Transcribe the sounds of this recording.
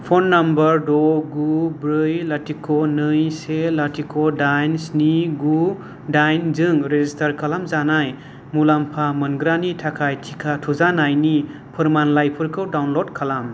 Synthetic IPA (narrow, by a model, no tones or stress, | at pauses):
pʰonːambəɾdɔɡubɾɯjlatʰikʰonɯjselatʰikʰodajnsniɡu | dajnzɯŋɾezistʰɐɾkʰalamzanaj | mulampʰamɯnɡɾanitʰakʰajtʰikʰatʰuzanajni | pʰɯɾmanlajpʰɯɾkʰɯwdawnlodkʰalam